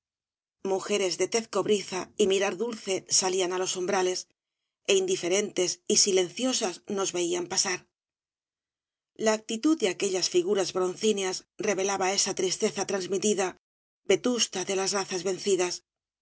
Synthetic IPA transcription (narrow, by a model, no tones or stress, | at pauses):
muxe̞ɾe̞zðe̞t̪e̞θko̞βɾiθaimiɾaɾðulθe̞salianalo̞so̞mbɾale̞s | eind̪ife̞ɾe̞nt̪e̞sisile̞n̟θjo̞sazno̞zβe̞iampasaɾ | laːk̚t̪it̪uðd̪eake̞ʎasfiɣ̞uɾazβɾo̞nθineasre̞βe̞laβae̞sat̪ɾist̪e̞θat̪ɾanzmit̪iða | be̞t̪ust̪aðe̞lazraθazβe̞n̟θiðas